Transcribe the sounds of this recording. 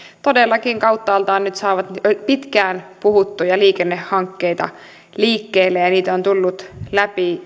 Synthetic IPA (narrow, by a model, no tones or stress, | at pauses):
t̪odelːɑkiŋkɑwt̪ːɑːlt̪ɑːnnyt̪sɑːʋɑt̪pit̪kæːnpuhut̪ːujɑliːkenːehhɑŋkːeit̪ɑ̰ | liːkːeːlːejɑniːt̪ont̪ulːut̪læpi